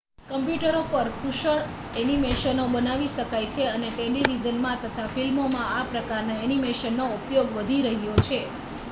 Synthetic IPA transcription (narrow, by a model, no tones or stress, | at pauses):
kəmpjuʈəɾopəɾkʰuʃəɭ | ɛnimeʃənobənaʋiʃəkajt͡ʃʰeəneʈeliʋid͡ʒənmãt̪ət̪ʰafilmomãapɾəkaɾnaɛnimeʃənːoupjoɡʋəd̪ʱiɾəɦjot͡ʃʰe